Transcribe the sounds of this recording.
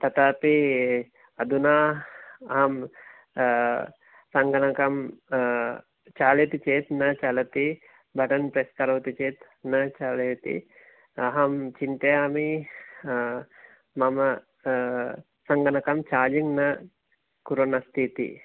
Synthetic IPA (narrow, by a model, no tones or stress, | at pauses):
t̪ɐt̪aːpi | ɐd̪unaːɐɦɐm | sɐŋɡɐnɐkɐm | t͡ʃaːlet̪it͡ʃeːt̪nɐt͡ʃɐlɐt̪i | bʱɐʈɐnpɾesk̪ɐɾɐwt̪it͡ʃeːt̪ | nɐt͡ʃaːleːt̪ḭ | ɐɦɐmt͡ʃint̪ɐjaːmi | ɐmɐ | sɐŋɡɐnɐkɐmt͡ʃaːd͡ʒiŋnɐ | kuɾɐnɐst̪ʰiːt̪ḭ